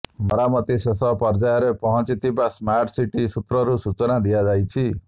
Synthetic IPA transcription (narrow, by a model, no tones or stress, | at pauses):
mɔɾamɔt̪isesɔpɔɾd͡ʒajɔɾepɔɦɔ̃t͡ʃit̪ʰibasmaɾʈsiʈisut̪ɾɔɾusut͡ʃɔnad̪ijad͡ʒajt͡ʃʰi